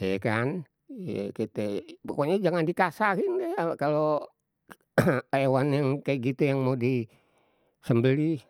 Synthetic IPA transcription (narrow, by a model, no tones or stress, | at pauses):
ɛkan | jḛkit̪ɛpokoɲad͡ʒaŋandikasakindajakalo | ewanjaŋkajaɡit̪ujaŋmoudi | səmbəli